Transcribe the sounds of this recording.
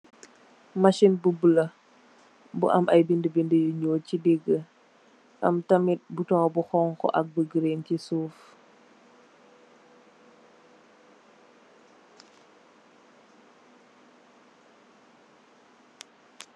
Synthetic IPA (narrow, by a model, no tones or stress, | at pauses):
mɐʃinbubulɐ | bṵʔɐ̰mɐjbindəbindəjuɲoːcidiɡə | ʔɐ̰mtɐmit̚butɔŋbuxɔŋkɔ̰ʔɐ̰k̚bəɡəɾencisuːf